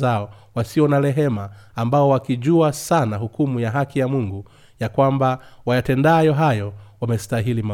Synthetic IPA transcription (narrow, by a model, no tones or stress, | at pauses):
aɔwasiɔnalɛɦɛmaːmbaɔwakiʄuasanaɦukumujaɦakijamuŋɡu | jakwambawajatɛndajɔɦajɔwamɛstaɦilima